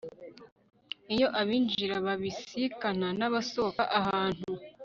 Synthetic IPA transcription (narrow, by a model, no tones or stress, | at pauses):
ijo̞ʔaβiːnd͡ʒiɾaβaβisikan̥anaβasokaʔaɦaːn̥u